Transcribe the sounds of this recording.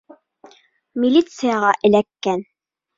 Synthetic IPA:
mʲilʲit̪sɨjɑʁɑʔɘ̆lækːæn

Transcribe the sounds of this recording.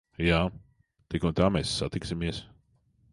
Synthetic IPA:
jaː | t̪ikunt̪aːmɛsːat̪iksimiɛs

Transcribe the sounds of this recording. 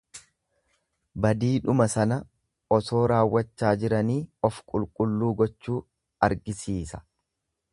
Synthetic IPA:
bɐd̪iːᶑʊmɐsɐnɐ | ʔɔso̞ːɾaːwːɐt͡ʃːaːd͡ʒɪɾɐniːɔfkʼʊlkʼʊlːuːɡɔt͡ʃːuː | ɐɾɡɪsiːsɐ̥

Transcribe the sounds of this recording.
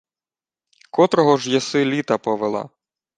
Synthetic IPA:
kɔt̪ɾɔɦɔʒjɐsɪlʲit̪ɐpɔʋelˠɑ̰

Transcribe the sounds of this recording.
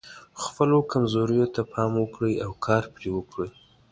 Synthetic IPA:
xpəlokamzoɾəjot̪apʰɑmwəkɽəjawkʰɑɾpɾewəkɽəj

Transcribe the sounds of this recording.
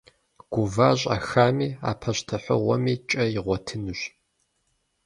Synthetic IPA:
ɡ̥ʷʊvaːɕʼa̰xaːmiːa̰ːpʰɐɕtʰɐħʷə̰ʁʷɔ̰miːt͡ʃʼɐjɪʁʷɔtʰɨnuɕ

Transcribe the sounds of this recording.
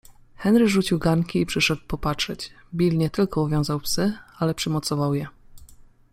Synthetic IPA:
xɛnɾɘʐut͡ɕiwɡaŋkʲiipʂɘʂɛd̪wpɔpatʂɛt͡ɕ | bʲilɲɛt̪ɘlkɔuvjɔ̃w̃zawpsɘalɛpʂɘmɔt̪sɔvawjɛ

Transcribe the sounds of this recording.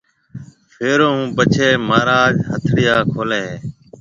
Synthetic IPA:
fʰeːɾoːũːpət͡ʃʰeːmaːɾaːd͡ʒɦət̪ʰɽɪjaːkʰoːlẽː

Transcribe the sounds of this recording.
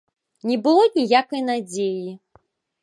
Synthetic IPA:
nʲɛbɨlˠɔnʲijakɐjnad͡zʲeji

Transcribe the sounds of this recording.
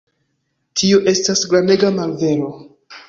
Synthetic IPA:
tʰioʔe̞stasɡɾame̞ɡamalve̞ɾo̞

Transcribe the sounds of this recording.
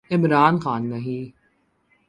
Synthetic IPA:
ɪmɾaːnxaːnːɐɦĩː

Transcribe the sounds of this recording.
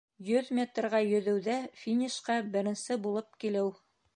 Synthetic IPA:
jɵðmʲet̪rʁɑjɵ̆ðɘ̆wðæfʲinʲiʃqɑbɘ̆ɾɘ̆nsɘbulˠɤp̚kilɘw

